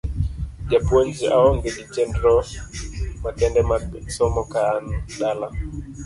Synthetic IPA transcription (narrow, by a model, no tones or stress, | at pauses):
d͡ʒapwond͡ʒiaɔŋɡeɡit͡ʃɛndɾɔ | makɛndɛmasɔmɔkanɗala